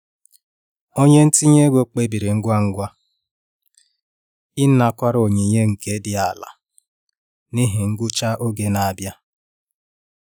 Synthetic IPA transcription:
o˦ɲe˦n̩˦ti˦ɲe˦ɡʷo˦k͡pe˦bi˨ɾe˨ŋ̩˦ɡʷa˦ŋ̩˦ɡʷa˦ | i˦n̩˦na˦kʷa˦ɾo˨ɲe˨ɲe˦ŋ̩˨ke˦dɪ˦a˨la̰˨ | ni˦ɦɪ˨ŋ̩˦ɡʊ˦t͡ʃa˦ʔo˦ɡe˦na˨bja˦

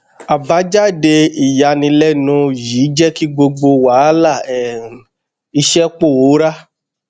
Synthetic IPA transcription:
a˨ba˨˦d͡ʒa˦˨de˧i˨ja˨nĩ˧lɛ˦nũ˧ji˨˦d͡ʒɛ˦ki˦ɡ͡bo˧ɡ͡bo˧wa˨˦la˦˨ɛ˨ | i˧ʃɛ˦k͡po˦˨wo˨˦ɾa˦

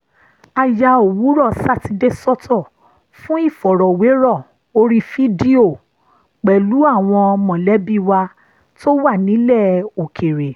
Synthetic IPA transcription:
a˧ja˧o˨wu˨˦ɾɔ˦˨sa˦˨ti˧de˦sɔ˦tʰɔ˦˨ | fũ˦i˦˨fɔ˨ɾɔ˨we˨˦ɾɔ˦˨ | o˧ɾi˧fi˦di˦o˦˨ | k͡pɛ˨lu˨˦a˦˨w̃ɔ̃˧mɔ̃˨lɛ˨˦bi˦˨wa˧ | to˦wa˦˨nĩ˨˦lɛ˦˨o˨kʰe˨ɾe˨

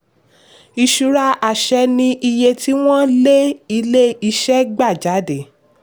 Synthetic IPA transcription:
i˧ʃu˨ɾa˧ʔa˨ʃɛ˧nĩ˧ʔi˧je˧ti˦w̃ɔ̃˦le˦i˧le˦i˧ʃɛ˦ɡ͡ba˦˨d͡ʒa˨˦de˨

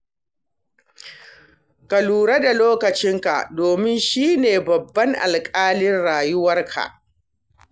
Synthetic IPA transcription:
ka˨luː˨ɾe˦da˨loː˦kɐ˨t͡ʃɪ˦ŋka̰˨ʔdoː˨mɪ˦nʃiː˦neː˨bɐ˨bːɐ˦ŋʔa̰˨lkʼaː˦lɪ˦nɽaː˨jʊ˦wɐ˦rkʰa̰˨ʔ

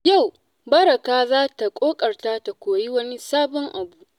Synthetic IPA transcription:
ja˦˨w | bɐ˦ɾɐ˨kaː˦zaː˦ta˨kʷʼoː˦kʼɐ˨rta˦ta˨kʷoː˨ji˦wɐ˦ni˦saː˦bɔ˦ŋʔa˨buː˦ʔ

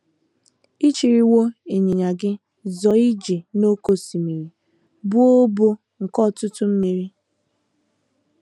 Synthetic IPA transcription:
i˦t͡ʃi˨ɾi˨wo˦e˨ɲi˨ɲa˨ɡɪ˦ | zɔ˨i˦d͡ʒe˨no˦ko˨si˨mi˨ɾi˨ | bʊ˦o˦bo˦ | ŋ̩˨kɔ˦˨tʊ˦tʊ˦m̩˦mi˨ɾi˦

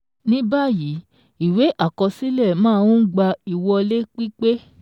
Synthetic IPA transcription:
nĩ˦ba˦˨ji˨˦ | i˨we˨˦ʔa˦˨kɔ˧si˦lɛ˦˨mãː˦˧wũ˦ɡ͡ba˧i˨wɔ˧le˦k͡pi˦k͡pe˦

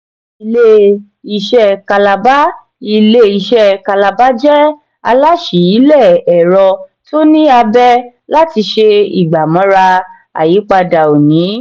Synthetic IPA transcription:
i˧le˦ | i˧ʃɛ˧ka˧la˧ba˦ | i˧le˦i˧ʃɛ˧˦ka˧la˧ba˦d͡ʒɛ˦ | a̰˧la˦ʃi˨˦i˨˦lɛ˦˨ɛ˨ɾɔ˧to˦nĩ˦a˧bɛ˦ | la˦ti˧ʃe˧ḭ˨ɡ͡ba˨mɔ̃˨˦ɾa˧ | a̰˨ji˨˦k͡pa˧da˨o˨nĩ˨˦

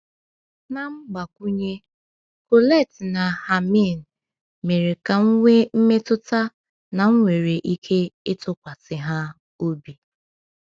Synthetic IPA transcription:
na˨ŋ͡m̩˦ɡ͡ba˨kʷu˦ɲe˦ | ko˨le˦˨tna˨ha˨mi˦˨n̩˨ | me˨ɾe˨ka˨ŋ̩˦ŋʷe˦m̩˦me˦tʊ˦ta˦ | na˨ŋ̩˦ŋʷe˨ɾe˨ʔi˦kʰe˦ɪ˦tʊ˦kʷa˨sɪ˨ɦa˦ | o˦bi˨

